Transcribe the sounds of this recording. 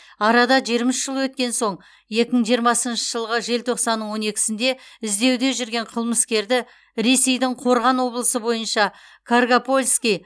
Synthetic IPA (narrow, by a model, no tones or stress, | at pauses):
ɑɾɑd̪ɑʒeɾmɪʃʒ̥əlˠəwɵt̪̚kʲe̞nso̞ɴ | je̞kʲɪməɴʒijəɾmɑsənʃə̥ʒ̥əlˠʁəʒe̞lt̪ʰo̞qsɑnːəɴwo̞ne̞kʲɪ̥sɪnd̪e̞ɪzd̪e̞wd̪e̞ʒʏɾɡʲe̞ɴqʰəlˠməskʲe̞ɾd̪ɪ | ɾe̞se̞jd̪ɪɴqʰo̞ɾʁɑnwo̞blˠəsəbo̞jənʃɑkʰarɡapo̞lʲskʲij